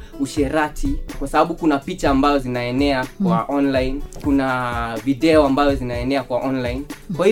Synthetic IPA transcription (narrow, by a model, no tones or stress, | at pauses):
uʃɛɾatʰikwasaɓaɓukunapit͡ʃaːmbazɔzinaɛnɛakwaʔɔnlajnkunaviɗɛɔambazɔzinaɛnɛakwaʔɔnlainkwahi